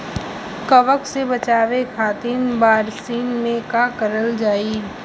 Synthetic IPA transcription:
kɐʋəksebɐt͡ʃaːʋekʰaːt̪iːnbaːɾsiːnmẽkakəɾəld͡ʒaːiː

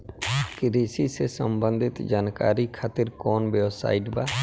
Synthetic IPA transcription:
kɪɾiːsisesə̰mbə̃nd̪ʱɪt̪d͡ʒaːnka̰ːɾikʰaːt̪ɪɾkoːnbewsa̰ːɪʈbaː

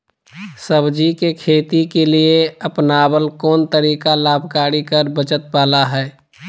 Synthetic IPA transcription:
səbd͡ʒikekʰeːt̪ikelieəpnaːbəlkɔːnt̪əɾiːkalaːbʱkaːɾikəɾbət͡ʃət̪̚baːlaɦɛː

